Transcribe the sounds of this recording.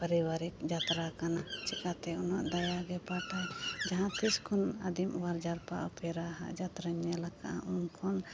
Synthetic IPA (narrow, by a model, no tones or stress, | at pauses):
pəɾiwaɾikd͡ʒat̪ɾakanat͡ʃɛkat̪ɛunaʔd̪ajaɡɛpaʈad͡ʒaɦãt̪iskʰɔna̰d̪imwaɾd͡ʒaɾpa̰ʔupʰɛɾaɦa̰ʔd͡ʒat̪ɾaɲjalaka̰ʔaunkʰɔn